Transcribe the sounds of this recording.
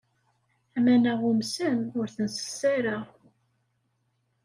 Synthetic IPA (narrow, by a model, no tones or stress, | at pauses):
æmænæʁumsənʊɾθənsə̥sːaɾa